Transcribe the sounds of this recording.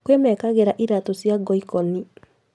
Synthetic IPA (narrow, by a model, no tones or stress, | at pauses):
kwemɛkaɣeɾaʔiɾatosjaɡɔikɔni